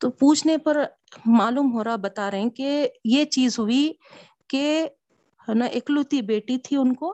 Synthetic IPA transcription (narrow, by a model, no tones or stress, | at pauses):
t̪oːpuːt͡ʃʰnepɐɾ | maːluːmɦoːɾabɐt̪aɾɐɦɛ̃kejet͡ʃiːzɦʊi | ke | hɛnaʔɪklut̪ibeːʈit̪ʰiʊnkoː